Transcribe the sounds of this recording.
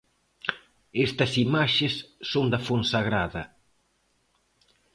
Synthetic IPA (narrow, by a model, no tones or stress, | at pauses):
est̪ɐsimaʃesːond̪ɐfonsaɣɾaðɐ